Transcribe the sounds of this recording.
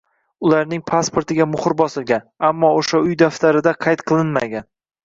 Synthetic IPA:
ʊlaɾnɪŋpʰaspo̞ɾt̪ʰɪɡʲamʊχʊɾbɒsɪlˠɡʲanamːɒoʃaʊjd̪aft̪aɾɪd̪aqʰɑjt̪qʰɨlˠɪnma̰ɡʲan

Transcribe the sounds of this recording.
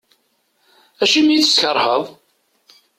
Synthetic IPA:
æʃimit͡sːsçəɾˤhəðˤ

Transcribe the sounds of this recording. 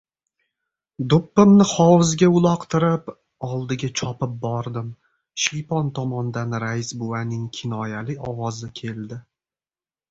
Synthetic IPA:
d̪ʊpːɪmnɪχɒwzɡʲaʊlˠɒqt̪ʰɪɾɪp | ɒlˠd̪ɪɡʲat͡ʃʰɒpɪp̚bɒɾd̪ɪm | ʃijpɒnt̪ʰɒmɒnd̪anɾajsbuanɪŋkʲʰɪnɒjalɪɒwɒzɪkʲʰe̞lˠd̪ɪ

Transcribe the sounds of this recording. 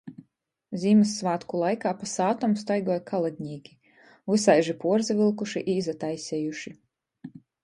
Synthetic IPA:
zʲiːmɨsːvaːt̪kulˠajkaːpasaːt̪ɔmst̪ajɡɔɔjkʰalˠad̪̚ʲɲiːɡʲi | usajʒipuɔɾzivilˠkuʃiʔiːzat̪ajsʲɛjuʃi

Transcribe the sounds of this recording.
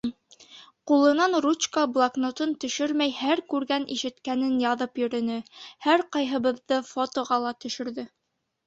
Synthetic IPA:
qulˠɤ̆nɑnrut͡ɕkəblˠaknot̪ɤnt̪ɵ̆ʃɵɾmæjhæɾkʉɾɡænʔḭʃɘ̆t̪kænɘnjɑðɤpjɵ̆ɾɘ̆nɘhæɾqɑjɦɤ̆βɤ̆ðːɤfot̪ŏʁɑlˠɑt̪ɵ̆ʃɵ̆ɾðɘ

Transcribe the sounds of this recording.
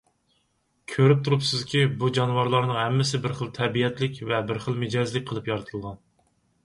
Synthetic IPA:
kʲʰøɾyp̚t̪ʰuɾupsɪzkʲibud͡ʒɑnwɑɾlˠɑɾnɨŋhɛmːɪsɪbɪɾχəlˠt̪ʰɛbijɛt̪ʰlɪkʲvɛbɪɾχəlˠmɪd͡ʒɑzlɪkʲqʰəlˠɨpjɑɾɨt̪ʰɨlˠʁɑn

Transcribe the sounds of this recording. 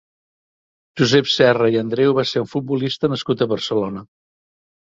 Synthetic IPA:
ʒuzɛpsɛrəiənd̪ɾɛwβaseɾuɱfut̪̚bulist̪ənəskut̪əβərsəlonə

